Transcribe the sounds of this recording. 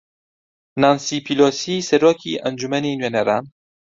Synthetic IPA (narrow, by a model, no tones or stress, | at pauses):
nɑːnsiːpʰiloːsiːsɛɾoːkʰiʔɐnd͡ʒumɛniːnwenɛɾɑːn